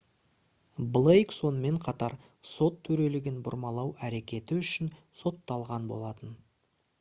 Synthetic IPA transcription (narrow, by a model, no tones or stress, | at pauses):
blˠejkso̞nəme̞ɴqʰɑt̪ɑɾ | so̞t̪ʰːɵɾe̞lɪɡʲɪnbʊ̰ɾmɑlˠɑwæɾe̞kʲe̞t̪ɪʏʃɪnso̞t̪ːɑlˠʁɑnbo̞̰lˠɑt̪ən